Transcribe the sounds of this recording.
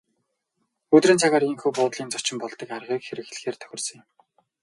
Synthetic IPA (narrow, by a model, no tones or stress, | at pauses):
ɵt̪riːnt͡sʰaʁaːɾiŋxuːpʊːt̪ɮiːnt͡sɔt͡ɕɪ̆mpɔɮt̪ə̆karʁiːkxeɾɘ̆xɮ̆xeːrt̪ʰœ̥xʲɪ̆rsə̆ŋjɪ̆m